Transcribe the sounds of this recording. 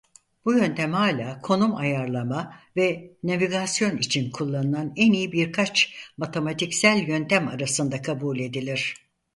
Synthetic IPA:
b̥ujø̞nt̪ʰæmhaːlʲaːkʰo̞numajaɾlˠamavɛnaviɡasjo̞nit͡ʃʰinkʰulˠːanɯlˠanɛnijibiɾkʰat͡ʃmat̪ʰemat̪ʰicsælʲjø̞nt̪ʰæmaɾasɯnd̪akʰabuːlʲe̞d̪ilʲiɾ̝̥

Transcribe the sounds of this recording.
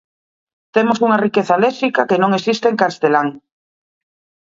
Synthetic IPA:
t̪emosuŋarikeθalɛsikakenõŋesist̪eːŋkast̪elaŋ

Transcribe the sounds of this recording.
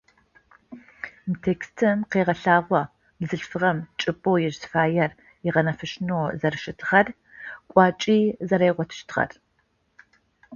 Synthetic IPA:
mtʰeːkstʰɨmqeːʁɐɬaːʁʷɔ | bzɨɬfɨʁɐmt͡ʃʼɨpʼowjɛʒzfaːjɛr | jiʁɐnɐfɨʃnoːzɐrɨʃɪtʰɨ̥χɐr | kʷʼɑːt͡ʃʼiːzɐɾejʁʷɔtʰɨ̥ʃtʰχɐ̰r

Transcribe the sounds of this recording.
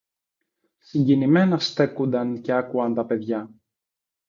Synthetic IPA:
siɲɟinime̞nɐst̪e̞kund̪ɐnce̞ɐkuɐnt̪ɐpe̞ðʝɐ

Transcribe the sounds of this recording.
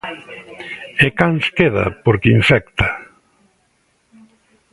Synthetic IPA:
ekanskeðɐ̰poɾkɪiɱfɛkt̪a

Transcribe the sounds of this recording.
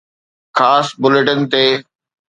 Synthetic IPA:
xʰaːsbʊleʈənt̪eː

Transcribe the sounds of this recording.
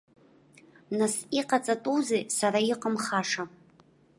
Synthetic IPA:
nasiqat͡sʼɐtʼuzeːsarajɪqəmχaːʂa

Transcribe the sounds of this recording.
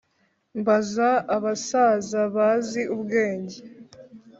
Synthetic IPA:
mbazaːβasaːzaβaziubɡe̞ːɲɟe

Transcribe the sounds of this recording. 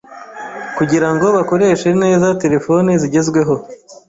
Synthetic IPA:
kuɟiɾaŋɡo̞βako̞ɾe̞ːʃe̞ne̞ːzate̞ɾe̞fo̞neziɟe̞zɡwe̞ɦo̞

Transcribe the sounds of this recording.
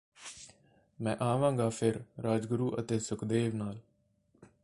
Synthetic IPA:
mɛ̃ːʔaːʋãːŋɡaːpʰɪɾɾaːd͡ʒɡʊɾuːʔə̰t̪eːsʊkd̪eːʋnaːl

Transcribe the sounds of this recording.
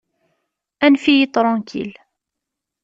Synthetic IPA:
ʔænfijit̪ˤɾˤɑ̃nkʰḭl

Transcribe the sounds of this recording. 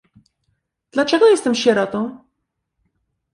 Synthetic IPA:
d̪̥lat͡ʂɛɡɔjɛst̪ɛmɕɛɾɔt̪ɔ̃w̃

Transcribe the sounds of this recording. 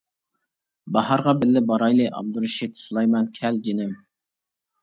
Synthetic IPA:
bɑhɑɾʁɑbɪlːɪbɑɾɑjlˠɨʔɑ̰b̚d̪uɾɨʃit̪ʰu̥slˠɑjmɑnkʲʰɛld͡ʒinɪm

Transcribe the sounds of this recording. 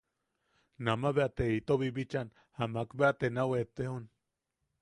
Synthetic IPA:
namaβeat̪eit̪oβibit͡ʃan | hamakbeat̪enawet̪eon

